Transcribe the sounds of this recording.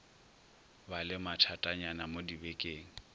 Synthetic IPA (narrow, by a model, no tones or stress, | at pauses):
balɪmatʰatʼaɲanamodibekʼeːŋ̩